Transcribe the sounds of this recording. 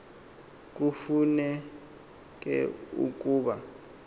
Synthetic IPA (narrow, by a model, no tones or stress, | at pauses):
k̬ufunɛ | k̬ʼɛ̰ṵk̬ʼuːɓa